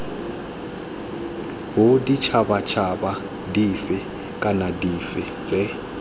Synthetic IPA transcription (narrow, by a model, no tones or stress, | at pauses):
bodit͡ʃʰaɓat͡ʃʰaɓa | difɛ | kʼanadifɛt͡sʼɛ